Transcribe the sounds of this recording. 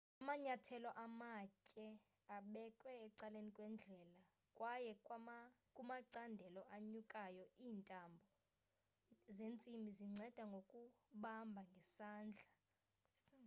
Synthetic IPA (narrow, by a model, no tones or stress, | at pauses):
amaɲatʰɛlɔʔamacʼɛ | aɓɛkʼwɛːǀalenikʼwɛnd͡ɮʱɛːla | kʼwajɛ | kʼumaǀandʱɛlɔʔaɲukʼajɔiːntʼambʱɔ | zent͡sʼimbʱiziŋ͡ǀʱɛd̥ʱaŋɡʱokʼuɓambʱaŋɡʱɛsaːnd͡ɮʱa